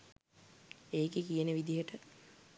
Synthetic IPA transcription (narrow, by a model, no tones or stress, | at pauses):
eːkekijəneʋid̪iɦəʈə